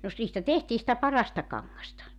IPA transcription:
no s niːstæ tehtiː sĭtæ pɑrɑstɑ kɑŋːɑstɑ

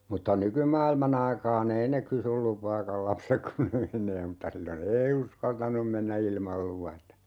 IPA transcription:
mutːɑ nykymɑːilmɑn ɑikɑːn ei ne kysyl lupɑːkɑl lɑpsek kun ne menˑeː mutːɑ silːon ei uskɑltɑnum menːæ ilmɑl luʋɑtɑ

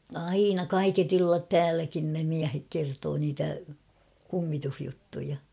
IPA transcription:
ɑinɑ kɑiket ilːɑt tæːlækin ne miæhek kertoː niːtæ kumːituhjutːujɑ

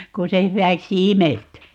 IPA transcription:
kun se hywæksi imelty

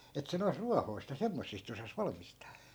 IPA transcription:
et se nois ruɑhoi̯st̆ jɑ semːosːist osɑs ʋɑlmistɑː

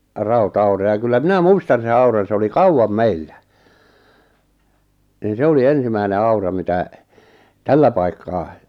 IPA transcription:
rɑutɑurɑ jɑ kylːæ minæ muistɑn̞ sen ɑurɑn̞ se oli kɑuwɑm meilːæ nin se oli ensimæine ɑurɑ mitæˑ tælːæ pɑikːɑː

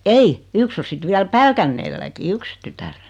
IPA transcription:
ei yks o sit ʋiæl pælkænːeːlːæki yks tytær

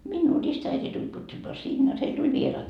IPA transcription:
minːuː ristæiti tulʲ pyːtæmæː sinːe jot heil tulʲ ʋierɑːt

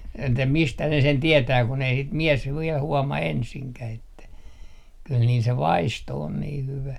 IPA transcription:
etːæ mistæ ne sen tietæː kun ei sit miɛs ʋiɛl huɔmɑ ensiŋkæh etːæ kyl niːl se ʋɑisto on niː hyʋæ

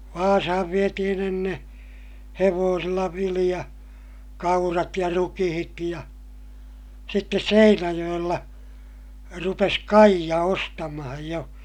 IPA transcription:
ʋɑːsɑhɑʋ ʋietihin enːeː heʋoːsilːɑ ʋilij̆ɑ kɑurɑt jɑ rukihit jɑ sitːes seinæjoj̆elːɑ rupes kɑijɑ ostɑmɑhɑj jo

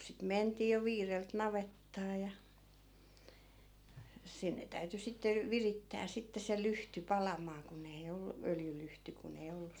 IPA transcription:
sit mentiː jo ʋiːrelt nɑʋetːɑː jɑ sinːe tæyty sitːe ʋiritːæː sitːe se lyhty pɑlɑmˑɑː kun ei olːu øljylyhty kun ei olːu

